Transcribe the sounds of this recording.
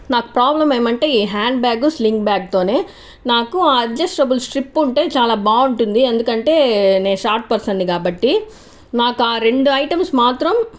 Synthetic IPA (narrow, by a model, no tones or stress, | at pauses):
naːku̥pɾaːblɐme̞ːmɐɳʈe̞ːiːɦaːɳɖbaːɡusliŋkbjaːɡ̚t̪o̞ːne̞ː | naːkuaːɐd͡ʒɐsʈɾɐbulsʈɾipːuɳʈe̞ːt͡ʃaːlaːbaːuɳʈund̪iend̪ukɐɳʈe̞ːne̞ːnuʃaːɾʈ̚pɐɾsɐɳɖikaːbɐʈːi | naːkuaːɾe̞ɳɖuɐjʈɐmsmaːt̪ɾɐm